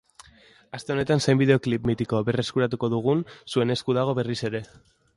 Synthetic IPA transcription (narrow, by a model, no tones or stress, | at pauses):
ast̪e̞o̞ne̞t̪ansejmbið̞e̞o̞klipmit̪iko̞βe̞re̞skuɾat̪̬uko̞ðuɣ̞unsue̞ne̞skuðaɣ̞o̞βe̞rise̞ɾe̞